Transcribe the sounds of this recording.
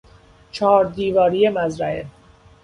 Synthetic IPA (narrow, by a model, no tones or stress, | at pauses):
t͡ʃʰɒːɾd̪iːvɒːɾijemæzɾæe